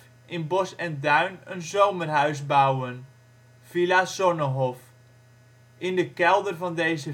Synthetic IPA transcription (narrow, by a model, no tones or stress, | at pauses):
ʔɪnbɔsɛndœɥnənzowmərɦœɥzbawən | filasɔnəɦɔf | ɪndəkɛlˠdərvɑndejzə